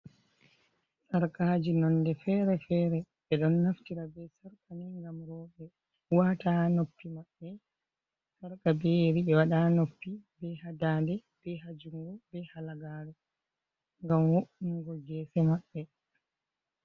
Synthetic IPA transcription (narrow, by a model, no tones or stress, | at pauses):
saɾkaːd͡ʒinɔndɛfɛɾɛfɛːɾɛɓɛɗɔnːaftiɾabɛsaɾkaniŋɡamɾɔːɓɛ | waːtanopːimaɓːɛ | saɾkabeɾiɛwaɗanopːibɛhadaːndɛ | b̥ɛɦad͡ʒuŋɡɔbɛhalaɡaɾɛ | ŋɡamwoʔuŋɡɔɡɛːsɛmaɓːɛ